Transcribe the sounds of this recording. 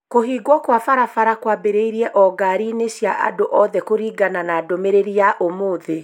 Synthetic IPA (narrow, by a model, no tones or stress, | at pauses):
koɦiːɡwɔkwafaɾafaɾakwabeɾeiɾiɛʔɔɡaɾineɕjaʔa̰doʔɔðɛkoɾiːɡananaːdomeɾeɾiaʔomoːðe